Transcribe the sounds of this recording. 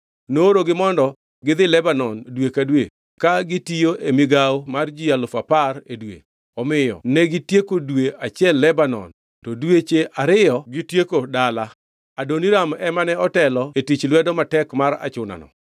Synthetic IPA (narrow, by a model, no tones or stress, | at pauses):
nooɾoɡɪmɔndɔ | ɡɪðɪlɛbanɔndwekadwe | kaɡɪtijoʔemɪɡawmard͡ʒɪjalʊfaparedwḛ | ɔmɪjɔ̰nɛɡɪtjekodweat͡ʃjɛlːɛbanɔ̰n | tɔdwet͡ʃeʔaɾɪjɔɡɪtjekodala | adoniɾamɛmanɛɔtɛlɔetit͡ʃlwɛdɔmatɛkmaɾa̰t͡ʃʊna̰nɔ̰